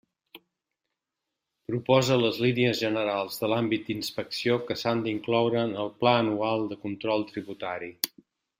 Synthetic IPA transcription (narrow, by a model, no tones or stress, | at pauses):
pɾupɔzələzliniəzʒənəɾalˠzðəlambit̪̚d̪inspəksiokəsand̪iŋklɔwɾənəlˠplaənualˠd̪əkunt̪ɾɔlˠt̪ɾiβut̪aɾi